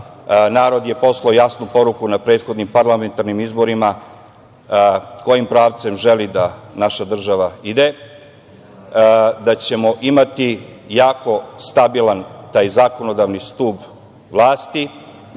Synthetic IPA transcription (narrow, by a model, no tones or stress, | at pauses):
naːɾo̞d̪je̞po̞slˠaojasnupo̞ɾukunapɾeːt̪xo̞d̪nimpaɾlˠame̞nt̪aɾnimizbo̞ɾima | ko̞jimpɾaːʋt̪se̞mʒelid̪anaʃad̪r̩ʒaʋaid̪e̞ | d̪at͡ɕe̞mo̞ʔimat̪ijaːko̞st̪abilant̪aːjzaːko̞no̞d̪aʋnist̪uːb | ʋlˠaːst̪i